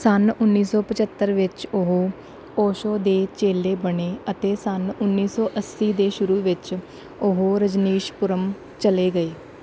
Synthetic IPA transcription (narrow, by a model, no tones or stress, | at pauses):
sənʊnːiːsɔːpət͡ʃət̪ːəɾʋɪt͡ʃʊɦoː | oːʃoːd̪eːt͡ʃeːleːbəɳeːət̪eːsənʊnːiːsɔːʔəsːiːd̪eːʃʊɾuːʋɪt͡ʃ | ʊɦoːɾəd͡ʒniːʃpʊɾəm | t͡ʃəleːɡəeː